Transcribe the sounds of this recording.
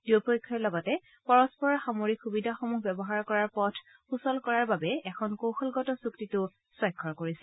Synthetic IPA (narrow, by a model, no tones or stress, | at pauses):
d̥iopojkʰːɔɹlɔɡɔtɛ | pɔɹɔspɔɹɔɹxamoɹikxubidʱaxomuɦbɛbɔɦaɹkɔɹaɹpɔtʰ | xusɔlkɔɹaɹbabɛɛkʰɔnkowxʰɔlɡɔtɔsuktitʊ | sɔjkʰːɔɹkoɹisɛ̥